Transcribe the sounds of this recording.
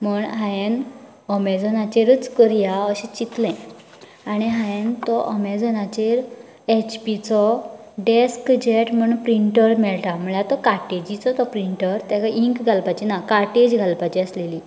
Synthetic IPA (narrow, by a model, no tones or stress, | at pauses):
m̤əɳɦãjen | ɔmɛd͡zɔnat͡ɕeɾət͡skəɾijaəɕɛ̃t͡ɕit̪lɛ̃ | aɽ̃iɦãjent̪ɔʔɔmɛd͡zɔnat͡ɕeɾ | et͡ɕpit͡sɔ | ɖeskd͡ʑeʈm̤əɳpɾiɳʈəɾmɛɭʈam̤əɭat̪ɔkaɾʈed͡ʑit͡sɔt̪ɔpɾiɳʈəɾt̪jakaʔiŋkɡʱalpat͡ɕinakaɾʈed͡ʑɡʱalpat͡ɕiəsleli